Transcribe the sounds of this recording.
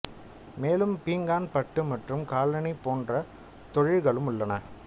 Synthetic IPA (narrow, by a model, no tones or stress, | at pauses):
meːlɯmpiːŋɡaːnpɐʈːɯmɐʈrɯmkaːlɐnipoːndrɐ | t̪ɔɻɪɻɣɐɭɯmʊɭːɐnɐ